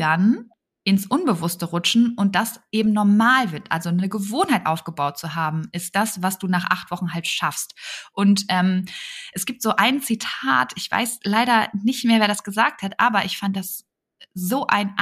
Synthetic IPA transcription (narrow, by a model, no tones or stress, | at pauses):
an | ʔɪnsʔʊnbəvʊstəʁʊt͡ʃn̩ʔʊnt̚d̥asʔeːbm̩nɔɐmaːlvɪɐtʔa̰lzonəɡəvoːnhaɪtʔaʊfɡ̥əbaʊt̚t͡suɦaːbm̩ɪst̚d̥asv̥asd̥uːnaːχʔa̰χtv̥ɔχn̩ɦaltʃafstʔʊntʔɛːmʔɛsɡ̥iːp̚tz̥oːʔaɪnt͡sitʰa̰ːtʰɪçv̥a̰ɪslaɪɾɐnɪçtmeːɐveːɐdasɡ̥əzaːk̚thatʔaːbɐʔɪçfandd̥as | zoːʔa̰ɪnʔ